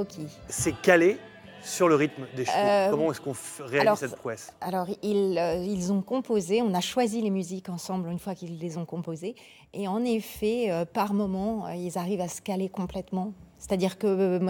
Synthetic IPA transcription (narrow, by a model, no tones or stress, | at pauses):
okʲʰisɛkale | syʁləʁit̪md̪eʃøkɔmɑ̃ɛskɔ̃ʁealisɛt̪pχuɛsalɔʁiløilzɔ̃kɔ̃pozeɔ̃naʃwazilemyzikɑ̃sɑ̃blynfwakilːezɔ̃kɔ̃poze | eɑ̃nefɛøpaʁmɔmɑ̃øilzaʁivasə̥kalekɔ̃plɛt̪mɑ̃se̥t̪ad̪iʁkəm